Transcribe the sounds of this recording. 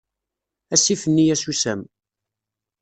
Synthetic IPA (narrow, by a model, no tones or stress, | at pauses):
æsifənːijæsusæm